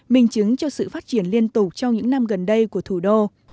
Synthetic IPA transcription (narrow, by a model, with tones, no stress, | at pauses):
mï˨˩ŋ̟t͡ɕɨ˨˦ŋt͡ɕɔ˧sɨ̰˧˨faː˦˥t̚t͡ɕi˧˩ənli˧ənt̪ʊ˨˩k͡p̚t͡ɕɔ˧wŋ͡mɲɨ̰˧˥ŋna˧mɣə˨˩nɗə˧jku˧˩ət̪ʰu˧˩ɗo˧